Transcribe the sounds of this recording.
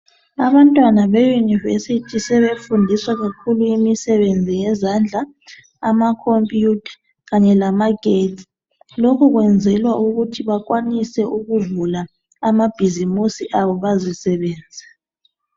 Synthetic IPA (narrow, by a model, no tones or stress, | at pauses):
aβantʼwanaβejunivesitʰisɛβefundʱiswaɣakʰuluimisɛβend͡zʱijɛzand͡ɮʱaː | makʰompʼjutʰḁ | ɣaɲɛlamaɡ̥ʱet | lokʰuɣwɛnd͡zʱɛlwauɣutʰiβakʼwanisɛʔuɣuvula | amab̥ʱizimusiʔaβɔβazisɛβɛːnd͡zʱa